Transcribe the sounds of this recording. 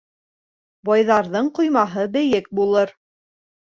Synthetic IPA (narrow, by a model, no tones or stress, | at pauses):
bɑjðɑɾðɤɴqŏjmɑɦɤbɘ̆jɘk̚bulˠɤɾ